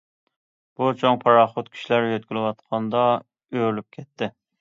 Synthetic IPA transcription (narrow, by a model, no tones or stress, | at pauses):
b̥ut͡ʃʰoŋpʰɑɾɑχʊt̪kʲʰi̥ʃlæɾjøt̪̚ɡʲylɪwɑt̪qʰɑnd̪ɑ | øɾlyp̚kʲʰɛt̪ʰːɪ